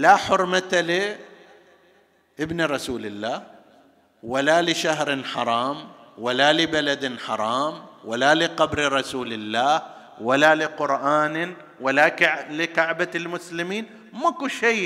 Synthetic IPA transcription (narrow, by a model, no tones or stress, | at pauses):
laħʊɾˤmat̪alɪ | ʔɪbnɾˤɑsuːlɪlːaːh | walalɪʃaɦɾnħɑɾˤɑːmwalalɪbalad̪nħɑɾˤɑːmwalalɪqɑbɾɾˤɑsuːlɪlːaːh | walalɪqʊɾʔaːn | walaklɪkaʕbalmʊslɪmiːn | makuʃej